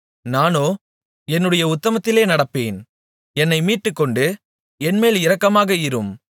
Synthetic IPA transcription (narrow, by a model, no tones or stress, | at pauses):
naːnoː | ɛnːɯɽɐjɐʊt̪ːɐmɐt̪ːɪleːnɐɽɐpːeːn | ɛnːɐɪmiːʈːɯkːɔɳɖɯ | ɛnmeːlɪɾɐkːɐmaːɣɐɪɾɯm